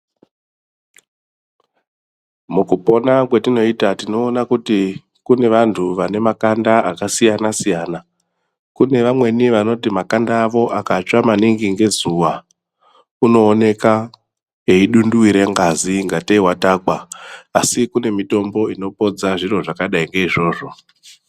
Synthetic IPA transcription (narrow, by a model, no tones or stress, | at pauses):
mukupo̞nakwetino̞itatino̞ːnakuti | kune̞ʋantʰuʋane̞makandaakasijanasijaːna | kune̞ʋamwe̞niʋano̞timakandaːʋo̞ʔakat͡ʃamaniŋɡiŋɡe̞zuwa | uno̞ːne̞ka | eiɗunduwiɾe̞ŋɡaziŋɡateiwatakwaːsikune̞mito̞mbo̞ino̞po̞d͡zaʐiro̞ʐakaɗaiŋɡe̞iʐo̞ːʐo̞